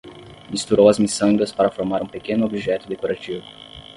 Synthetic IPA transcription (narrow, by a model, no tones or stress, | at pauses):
mist̪uɾowɐzmisɐ̃ŋɡɐspaɾɐfoɾmaɾũpekẽnʊobiʒɛt̪ʊd̪ekoɾat͡ʃivʊ